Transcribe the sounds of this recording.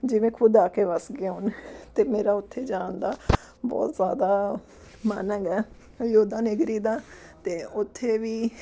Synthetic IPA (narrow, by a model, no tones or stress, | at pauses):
d͡ʒɪʋẽːkʰʊd̪aːkeːʋəsɡeɦʊnt̪eːmeːɾaːʊt̪ʰːeːd͡ʒãːnd̪aː | bɔ̰ːt̪zjaːd̪aː | manəɡɛː | joːd̪ãːnɪɡɾiːd̪aː | t̪eːʊt̪ʰːeːʋiː